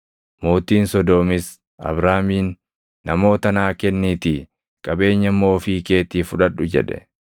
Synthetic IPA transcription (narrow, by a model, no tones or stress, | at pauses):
moːt̪iːnsɔd̪oːmɪs | ɐ̰bɾaːmiːnː | ɐmo̞ːt̪ɐnaːkɛnːiːt̪i | kʼɐbe̞ːɲːɐmːo̞ːfiːke̞ːt̪iːfʊᶑɐᶑʊd͡ʒɛ̰ᶑɛ̥̰